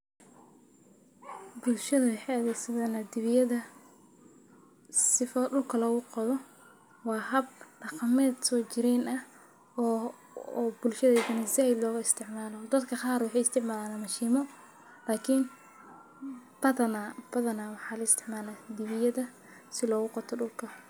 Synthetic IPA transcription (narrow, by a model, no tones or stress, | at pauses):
bʊlʃɐðɐwɑħɑjɐðɛːɡsɐðɛːnɐd̪ɪβɪjɐðɐ | sɪfɐɖʊlkʰɐlɔɣʊqɑβɔ | wɑːɦɐb̚ɖɑqɑmɛːd̪sɔːt͡ʃɪɾɛːnɐ | bʊlʃɐðɛjɣɐnɐzaɪd̪lɔːɣʊɪst̪ʰɪʕmaːlɔd̪ɐd̪kʰɐχɑːɾwɑħɑjɪst̪ʰɪʕmaːlaːnamɐʃiːmɔ | laːkʰin | b̪ɐðɐnab̥ɐðɐnawɑħɑːlɐɪst̪ʰɪʕmaːlad̪ɪβɪjɐðɐ | sɪlɔːɣʊqɑt̪ʰɔɖʊlkʰɐ